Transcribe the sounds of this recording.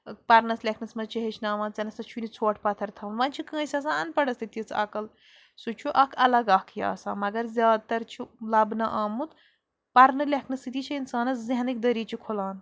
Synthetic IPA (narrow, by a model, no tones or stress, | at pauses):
pɐɾnɐslʲekʰnɐsmɐzt͡ʃɐɦet͡ʃʰnaːʋãːnt͡sɐnɐsɐt͡ʃʰunit͡sʰoːʈʰpɐt̪ʰɐɾt̪ʰɐːnʋɐnʲt͡ʃʰikə̃ːsʲɐs̬anpɐɽɐst̪it̪it͡sʰɐ̰kɐl | sut͡ʃʰuʔɐkʰɐlɐɡaːkʰja̰ːsãːmɐɡɐɾzʲjaːd̪̚t̪ɐɾt͡ʃʰulɐbnɐʔaːmut̪ | pɐɾnɨlʲekʰnɐsit̪it͡ʃʰɐinsaːnɐszeɦɐnik̚d̪ɐɾiːt͡ʃʰikʰolaːn